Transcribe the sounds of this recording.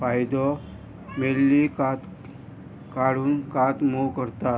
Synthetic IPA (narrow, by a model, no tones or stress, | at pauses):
fajd̪ɔ | melːikat̪ | kaɽ̤uːnkat̪mokəɾt̪a